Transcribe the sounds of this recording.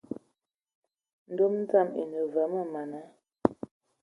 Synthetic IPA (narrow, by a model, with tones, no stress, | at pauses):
n̩˦do˦mn̩˦ta˦˨mḛ˨nə˨və˨˦mə˦ma˨na˨˦